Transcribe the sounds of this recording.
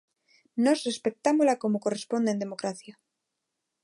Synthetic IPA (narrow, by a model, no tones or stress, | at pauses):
nosre̞spe̞k̚t̪amozlako̞moko̞respo̞nd̪ene̞mokɾaθja